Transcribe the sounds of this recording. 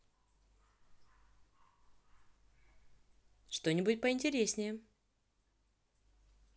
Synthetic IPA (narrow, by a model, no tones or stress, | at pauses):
ʂt̪o̞nʲɪbʊtʲpəɪnʲtʲɪɾʲesʲnʲɪjə